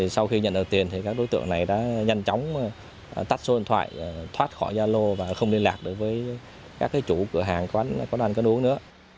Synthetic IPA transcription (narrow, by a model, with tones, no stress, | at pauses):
i˨˩sa˧wxi˧ɲə̰˧˨nɗɨː˨˩t̪i˨˩ənt̪ʰi˨˩kaː˦˥k̚ɗo˨˦jt̪ɨ̰˧˨əŋna˨˩jɗa̰ː˧˥ɲa˧jŋt͡ɕɔ˨˦wŋ͡m | t̪a˦˥t̚so˧˦˧nt̪ʰwa̰ː˧˨jt̪ʰwaː˦˥t̚xɔ̰˧˩jzaː˧lo˧vaː˨˩xə˧wŋ͡mli˧əlaː˨˩k̚ɗɨ˨˩ək̚vəː˨˦j | kaː˦˥k̚ːaː˨˦jt͡ɕu˧˩kɨ˧˩əɦaː˨˩ŋkɔ˨˧a˨˦n˧kɔ˨˦na˧n̟kɔ˨˦nʔu˨˦əŋnɨ̰˧˥ə